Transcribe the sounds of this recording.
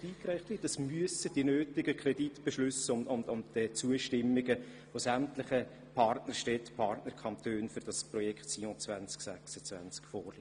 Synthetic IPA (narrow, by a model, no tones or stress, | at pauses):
iːkɾæɪχtlidɑsmyəsəd̥iənøːtɪɡəkʰɾɛditb̥ɛʃlʉsʊmʊnʊmdɛt͡suəʃtɪmːɪɡə | ʋosæmtlɪχə | pʰɑrtnərʃtɛtpʰɑrtnərkʰɑmt̪ʰøːnfʏɾd̥ɑsprɔjɛkχtsiõt͡svænt͡sksæksət͡svæ̰nt͡skfɔːrli